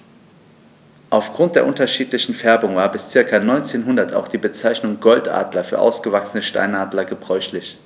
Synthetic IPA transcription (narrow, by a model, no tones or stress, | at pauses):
ʔaʊfɡ̥ʁʊnt̚d̥eːɐʔʊntɐʃiːtlɪçn̩fɛɐbʊŋvaːɐbɪst͡sɪɐkɐnɔʏnt͡seːnɦʊndɐtʰa̰ʊxd̥iːbət͡saɪçnʊŋɡɔltʔa̰ːdlɐfyːɐʔa̰ʊsɡ̥əvaksənəʃta̰ɪnʔaːdlɐɡəbʁɔʏçlɪç